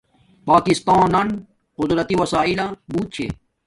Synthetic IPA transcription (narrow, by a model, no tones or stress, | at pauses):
paːkist̪aːnɐn | qʊd̪ɾɐt̪iwɐsaːilãːbuːt̪̚t͡ɕʰḛ